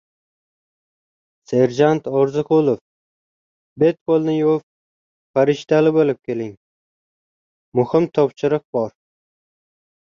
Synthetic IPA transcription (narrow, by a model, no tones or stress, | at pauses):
se̞ɾd͡ʒant̪ʰɒɾzɪqʰʊlˠof | be̞t̪̚kʰolˠnɪjof | faɾɪʃt̪alɪbolɪp̚kʲʰe̞lɪŋ | mʊhɪmt̪ʰɒpʃɪɾɨq̚bɒɾ